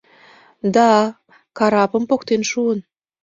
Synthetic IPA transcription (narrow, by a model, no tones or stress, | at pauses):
d̪ɑ | kɑɾɑpə̆mpokt̪enʃuən